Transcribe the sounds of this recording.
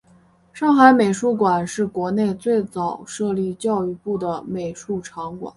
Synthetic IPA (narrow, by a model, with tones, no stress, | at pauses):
ʂɑ˥˩ŋxa˧˥ɪme˨˩ɪʂu˥˩kwa˨˩nʂɻ̩˥˩kwɔ˧˥ne˥˧ɪt͡swe˥˩ɪt͡sɑ˨˩ʊʂɤ˥˧li˥˧t͡ɕjɑ˥˧ʊy˥˧pu˥˩d̪ə˩me˨˩ɪʂu˥˩ʈ͡ʂʰɑ˧˥ŋkwa̰˨˩˦n